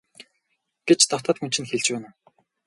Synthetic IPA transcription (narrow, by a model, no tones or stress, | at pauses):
ɡ̥et͡ɕt̪ɔt̪ɔːt̪xɵn̥t͡ɕʰɪ̆nxeɮt͡ɕpæːnʊ̆